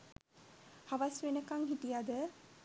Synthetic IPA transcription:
hɐʋɐsʋenəkɐŋɦiʈijad̪ə

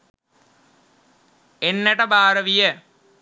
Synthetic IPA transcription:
enːeʈɐbaːɾɐʋijə

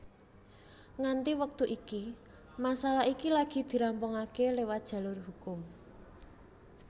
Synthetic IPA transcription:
ŋant̪iwək̚t̪uʔiki | masalaikilaɡ̥i̤d̪̥i̤ɾampɔŋakelewad̥ʒ̥a̤lʊrhukʊm

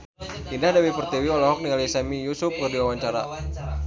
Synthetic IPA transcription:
pindahdawipərt̪iwiɔlɔɦɔk̚nialisamijusʊp̚kərdiwawaɲt͡ʃaɾa̰

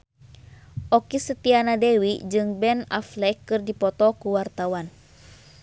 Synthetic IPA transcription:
ʔɔkisət̪ianadɛwid͡ʒɨŋbɛna̰flɛkːɨrdipɔt̪ɔkuwart̪awan

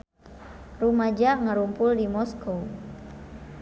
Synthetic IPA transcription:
rumad͡ʒaŋaɾumpʊldimɔsko

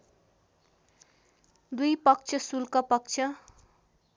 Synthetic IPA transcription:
d̪ujpʌk̚t͡sʰʌsulkapʌk̚t͡sʰʌ

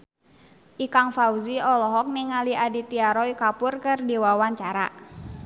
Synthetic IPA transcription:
ʔikaŋfauziɔlɔɦɔk̚niŋaliʔadit̪iaɾɔikapʊrkɨrdiwawaɲt͡ʃaɾa̰

